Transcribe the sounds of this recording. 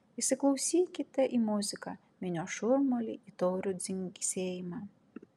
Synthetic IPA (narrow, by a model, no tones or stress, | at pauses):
iʃsʲɪklˠɐʊsʲiːkʲɪt̪ʲɛʔimʊzʲɪkɑ | mʲɪnʲoːʃʊɾmolʲḭit̪oːɾʲʊd̪zʲɪŋʲkʲsʲeːjɪmɑ